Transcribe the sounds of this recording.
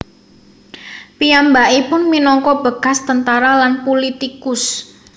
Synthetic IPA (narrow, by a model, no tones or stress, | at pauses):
piambaʔipʊnminɔŋkɔb̥əɡ̥a̤st̪ənt̪aɾalanpolit̪ikʊs